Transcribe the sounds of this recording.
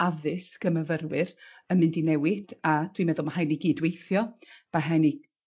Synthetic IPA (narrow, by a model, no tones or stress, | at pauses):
aðɨsɡ̥əməvərwɨrəmɪndinɛwɪd̥ad̥wimɛðʊlˠmahajniɡiːdwejθjɔm̥aɦajni